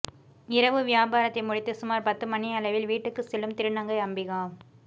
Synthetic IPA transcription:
ɪɾɐʋɯʋɪjaːbaːɾɐt̪ːɐɪmʊɻɪt̪ːɯsʊmaːɾpɐt̪ːɯmɐniɐlɐʋɪlʋiːʈːɯkːɯsɛlːɯmt̪ɪɾɯɳɐŋɡɐɪɐmbɪɣaː

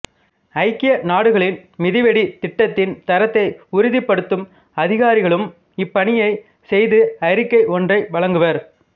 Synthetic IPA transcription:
ɐɪkːɪjɐnaːɽɯɣɐɭɪnmɪðɪʋɛɽit̪ɪʈːɐt̪ːɪnt̪ɐɾɐt̪ːɐɪʊɾɪðɪpːɐɽɯt̪ːɯm | ɐðɪɣaːɾɪɣɐɭɯm | ɪpːɐɳɪjɐɪ | sɛjðɯɐɾɪkːɐɪʔɔndrɐɪʋɐɭɐŋɡɯʋɐɾ

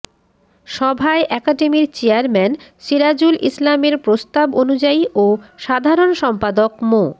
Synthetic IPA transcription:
ʃɔbʱaeʔɛkaɖemiɾt͡ɕeaɾmɛnʃiɾad͡ʑulʔḭslameɾpɾost̪abonud͡ʑaiʔoʃad̪ʱaɾonʃɔmpad̪okmo

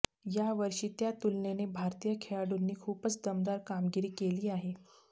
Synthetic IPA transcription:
jaʋəɾʂiːt̪jat̪ulnenebʱaɾt̪ijəkʰeɭaɽunːiːkʰuːpət͡sd̪əmd̪aɾkamɡiɾiːkeliːaɦe

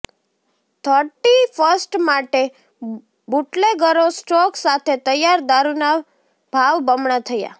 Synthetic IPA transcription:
t̪ʰəɾʈifəɾsʈmaʈe | buʈleɡəɾosʈɔksat̪ʰet̪əjaɾd̪aɾuna | b̥ʱaʋbəmɳat̪ʰəja̰

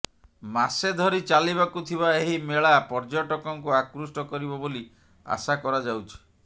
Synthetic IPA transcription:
mased̪ʱɔɾit͡ʃaliβakut̪ʰiβaeɦimeɭapɔɾd͡ʒɔʈɔkɔŋkuakɾusʈɔkɔɾibɔboli | a̰sakɔɾad͡ʒawt͡ʃʰi̥

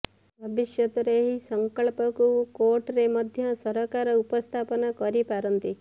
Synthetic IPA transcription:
bʱɐbiʃjɐt̪uɾeːɦisɐŋkɐɭpɐkukoːɾʈɾemɐd̪ʱjɐsɐɾɐkaːɾɐupɐst̪ʰaːpɐnɐkɔɾipaːɾɐnt̪i

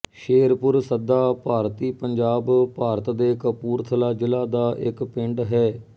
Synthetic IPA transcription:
ʃeːɾpʊɾsəd̪aːpaːɾt̪iːpəɲd͡ʒaːbpaːɾət̪d̪eːkəpuːɾt̪ʰəlaːd͡ʒɪlaːd̪aːʔɪkpɪ̃ɳɖɦɛː

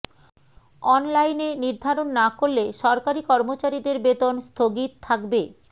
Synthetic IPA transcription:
ɔnlajneniɾd̪ʱaɾonːakoɾːeʃɔɾkaɾikɔɾmot͡ɕaɾid̪eɾbet̪onst̪ʰoɡit̪t̪ʰːakbe

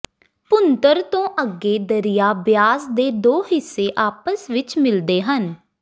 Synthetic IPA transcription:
pʊnt̪əɾt̪õːʔəɡːeːd̪əɾɪjaːbjaːzd̪eːd̪oːɦɪsːeːʔaːpəsʋɪt͡ʃmɪld̪eːɦən

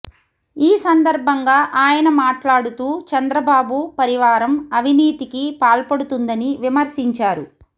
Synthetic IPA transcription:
iːsɐnd̪ɐɾbʱɐŋɡaːʔaːjɐnɐmaːʈlaːɽut̪uːt͡ʃɐnd̪ɾɐbaːbupɐɾiʋaːɾɐmɐʋiniːt̪ikipaːlpɐɽut̪und̪ɐniʋimɐɾsiɲt͡ʃaːɾṵ

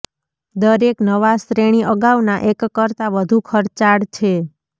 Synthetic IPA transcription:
d̪əɾeknəʋasɾeɽ̃iʔəɡaʋnaʔekːəɾt̪aʋəd̪ʱukʰəɾt͡ʃaɽt͡ʃʰe

